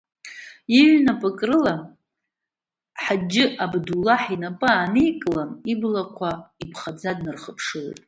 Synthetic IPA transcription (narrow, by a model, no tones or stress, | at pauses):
iʕnapʼakʼrɨla | ħad͡ʒɪʔabdulːaħinapʼɨaːnejkʼlaniblakʷʰaipʰχad͡zadnɨrχəpʰʂɨlḛjtʼ